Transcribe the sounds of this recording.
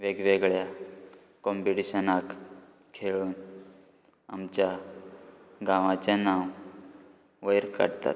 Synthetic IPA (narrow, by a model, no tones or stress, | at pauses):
ʋeɡʋeɡɭja | kɔmpiʈiɕənak | kʰeɭuːn | a̰mt͡ɕja | ɡãʋãt͡ɕjanaw | ʋəjɾkə̰ɽt̪a̰t̪̚